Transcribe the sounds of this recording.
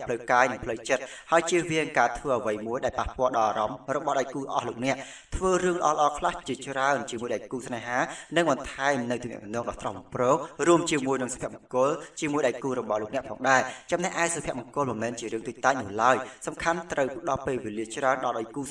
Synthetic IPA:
pʰləwkaːjnɨŋpʰləwt͡ɕət̪̚ | haəjt͡ɕiəʋiəŋkaːt̪ʰʋəːʔəʋəjmuəjɗaɛlpahpɔəlɗɑlʔaːɾɑmrɔɓɑhɗaɔjkuːlʔɑ̰ːhloːk̚nɛ̆əʔ | t̪ʰʋəːrɨəŋlə̆ʔɑ̰ːləʔɑːkʰlaht͡ɕiət͡ɕraənt͡ɕiəmuəjɗaɛlkuːsneɦaːnɨŋɓɑnt̪ʰaɛmnɨwt̪uːŋnɛ̰ʔmənɔəŋɗɑːt̪rɑmmprɔːŋ̚ruəmt͡ɕiəmuəjnɨŋsḁpʰiəmkʊ̆əlt͡ɕiəmuəjɗaɛlkuːɾɔɓɑhloːk̚nɛəʔpʰɑːŋɗaɛt͡ɕɑmnɛhʔaɛsapʰiɛəʔ̚məkʊ̆əlmɨmɛːnt͡ɕiəɾɨəŋt̪uc̚t̪aːc̚nʊ̆əlaəjsɑmkʰant̪rəwpɗɑlpeːlʋeːliət͡ɕraənɗɑlɗajkuː

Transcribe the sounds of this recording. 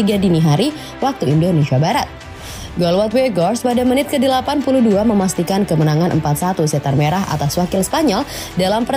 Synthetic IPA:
iɡadiniɦaɾi | wak̚t̪uindonesiabaɾat̪̚ | ɡɔlwɔt̪weɡɔrspadamənɪt̪̚kədəlapanpuluhduaməmast̪ikankəmənaŋanʔə̰mpat̪sat̪usɛt̪armeɾaɦa̰t̪aswakɪlsə̥paɲɔl | dalampər

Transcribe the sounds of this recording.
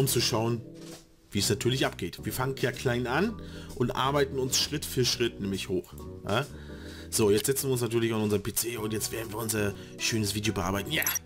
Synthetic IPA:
ʊmt͡suʃaʊən | viːɛsnatʰyːɐlɪçʔapɡ̥eːtv̥iːɐfaŋənkʰjaːkʰl̥aɪnanʔʊntʔa̰ɐbaɪtn̩ʊnsʃʁ̥ɪtfyːɐʃʁ̥ɪtnɛːmlɪçhoːxja̰ː | z̥oːjɛt͡stzɛt͡sn̩viːʊnsnatʰyːɐlɪçanʔʊnzɐpʰet͡seːʊntjɛt͡stv̥eːɐn̩viːɐʊnzɐ | ʃøːnəsv̥iːdjoːbəʔa̰ɐbaɪtn̩jaː

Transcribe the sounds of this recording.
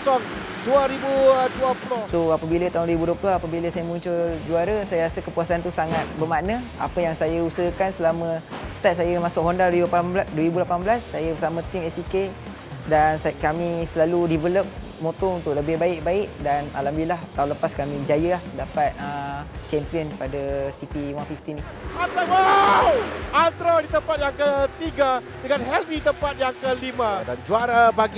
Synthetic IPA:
sɔŋ | duaɾibuduapulosoapəbilət̪aunɾibudoplaapəbiləsajəmuɲt͡ʃʊld͡ʒuaɾəsajaɾasəkəpuasaant̪usaŋat̪̚bəmanə̃a̰pəjaŋsajəusəɦəkansəlamə̃st̪at̪̚sajəmasʊk̚ɦondaɾibupabladuəɾibulapanbəlasːajəbəsamə̃t̪imɛsike | dansakamĩsəlaludivələp̚ | mot̪ɔunt̪ʊʔləbɪhbaɪʔ̚baɪʔdana̰lambilaht̪aũləpaskamĩd͡ʒajəlahdapat̪̚ət͡ʃɛmpiənpadasipiwanfift̪ini | ant̪ɾawa | ant̪ɾadit̪əmpat̪̚jaŋkət̪iɡa | dəŋãnɦɛlvit̪əmpat̪̚jaŋkəlimãdand͡ʒuaɾabaɡi

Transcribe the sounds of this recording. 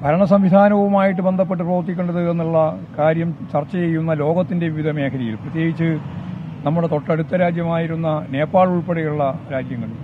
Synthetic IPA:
bʱɐɾɐɳɐsɐmʋid̪ʱaːnɐʋumaːjiʈ̬ːɨbe̞nd̪ʱɐpːe̞ʈːɨproːɐrt̪ːikʲːo̞ɳɖɐðɨenːuɭːɐkaːɾjɐmt͡ɕɐrt͡ɕːɐjejːunːɐlo̞ːɡɐt̪ːinde̞ʋiʋid̪ʱɐme̞ːkʰɐɾijḭlprɐt̪je̞ːɡit͡ɕːɨ | nɐmːuɽe̞t̪o̞ʈːɐɽut̪ːɐɾaːd͡ʑjɐmaːjiɾunːɐne̞ːpːaːɭuɭpeɽejuɭːɐɾaːd͡ʑjɐŋːɐɭ

